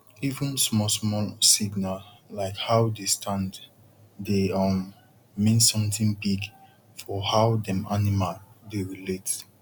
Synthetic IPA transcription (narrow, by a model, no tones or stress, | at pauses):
ivə̃nsmɔsmɔlsiɡnal | laɪkhawdestʰãnd | deʌmː | ĩnsɔ̃mtɪ̃ŋbiɡ | fɔhaʊdɛ̃manimaldeɹilet